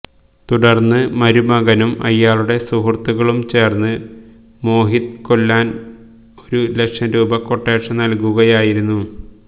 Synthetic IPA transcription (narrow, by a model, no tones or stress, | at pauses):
t̪uɽɐrnːɨmɐɾumɐɣɐnumʔɐ̰jːaːɭuɽe̞suɦrt̪uɣɐɭumt͡ɕe̞ːrnːɨ | mo̞ːɦit̪ko̞lːaːn | o̞ɾulekʂɐɾuːbɐkːo̞ʈːeːʈʂɐnɐlkuɣɐjaːjiɾunːu